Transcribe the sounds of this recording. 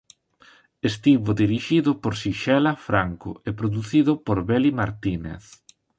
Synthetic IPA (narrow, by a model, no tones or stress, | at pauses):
est̪iβʊðiɾiʃiðʊpoɾsiʃɛlafɾaŋkʊ̰ʔepɾoðuθiðʊpoɾβɛlimaɾt̪inḛθ